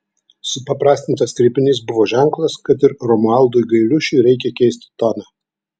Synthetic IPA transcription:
sʊpɐpɾɑːsʲt̪ʲɪnt̪ɐskɾʲɪpʲɪnʲiːsbʊʋoːʒʲæŋklˠɐskɐt̪ɪɾɾɔmʊɑˑlˠd̪ʊjɡɐɪlʲʊʃʲʊɪɾʲɛɪkʲɛkʲɛɪsʲt̪ʲɪ̥t̪ɔnɑ

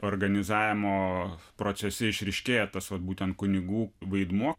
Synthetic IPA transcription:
oːrɡɐnʲɪzɑːʋʲɪmoːpɾoːsʲɛsʲɛɪʃʲɾʲɪʃʲkʲeːjɛt̪ɐsʋɐt̪̚buːt̪ʲɛnt̪̚kʊnʲɪɡuːʋɐɪd̪muɔ

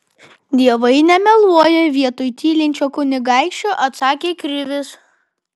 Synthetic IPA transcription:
d̪ʲiɛʋɐɪnʲɛmʲɛlˠuɔjɛʋʲiɛt̪ojt̪ʲiːlʲɪnʲt͡ʃʲoːkʊnʲɪɡɑˑɪkʃʲt͡ʃʲoːʔɐt̪sɑːkʲeːkɾʲɪʋʲɪs

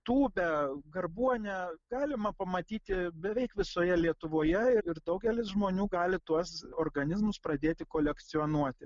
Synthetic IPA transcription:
t̪uːbʲɛɡɐrbuɔnʲɛɡɑːlʲɪmɐpɐmɐt̪ʲiːt̪ʲɪbʲɛʋʲɛɪkʋʲɪsoːjɛlʲiɛt̪ʊʋoːjɛɪɪrd̪ɐʊɡʲɛlʲɪsʒmoːnʲuːɡɑːlʲɪt̪uɔsoːrɡɐnʲɪzmʊspɾɐd̪ʲeːt̪ʲɪkoːlʲɛkt̪sʲɪoːnuɔt̪ʲɪ

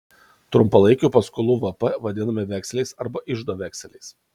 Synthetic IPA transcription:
t̪ɾʊmpɐlˠɐɪkʲuˑpɐskʊlˠuːʋɐpɐʋɐd̪ʲɪnɐmʲeʋʲæksʲlʲɛɪsɐɾbɐʔɪʒd̪oːʋʲæːksʲɛlʲɛɪs

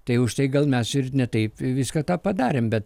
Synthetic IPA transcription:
t̪ɐɪʊʃt̪ɐɪɡɐlˠmʲɛsɪrnʲɛt̪ɐɪpʋʲɪskɐːt̪ɑːpɐd̪ɑːɾʲembʲɛt̪̚

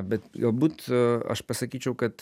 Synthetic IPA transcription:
bʲɛt̪ɡɐlˠbuːt̪ɐ̰ʃpɐsɐkʲiːt͡ʃʲɛʊkɐt̪

